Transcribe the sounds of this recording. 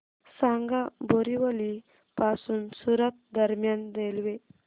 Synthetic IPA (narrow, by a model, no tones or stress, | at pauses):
saŋɡaboɾiʋəli | pasunsuɾət̪̚d̪əɾmjand̪elʋe